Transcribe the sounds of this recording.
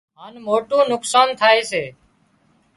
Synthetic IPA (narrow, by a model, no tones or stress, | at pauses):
ɦaːnmoːʈõːnʊksaːnt̪ʰaːeːseː